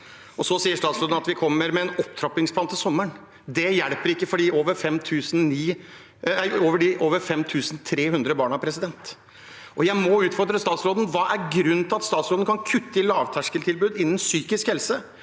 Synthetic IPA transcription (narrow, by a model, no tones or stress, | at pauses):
ʔɔsɔsiːəʂt̪ɑːt̪sɾoːd̪n̩ɑt̪ʋɪkʰɔmːəɾmɛːnɔpt̪ʰɾɑp̪ɪŋspʰlɑnt̪ːɪsɔmːəɳ | d̪ɛjæɽpəɾɪkːəfɔɖiːoːʋəɾfɛmt̪ʰʉːsn̩niː | æoːʋəɖɪʔoːʋəɾfɛmt̪ʰʉːsn̩t̪ʰɾeːɦʉnd̪ɾəbɑːɳɑæpʰɾɛsɪd̪ɛnt̪ | ʔɔjæɪmɔʉːt̪fɔɾd̪ɾəst̪ɑːt̪sɾoːd̪n̩ʋɑːʔæɾɡɾʉnːt̪ɪlɑt̪st̪ɑːt̪sɾoːd̪n̩kʰɑnkʰʉt̪ːəɪlɑːʋt̪ʰæʂkəlt̪ʰɪlbʉːd̪ɪnːənsyːkɪskhɛlsə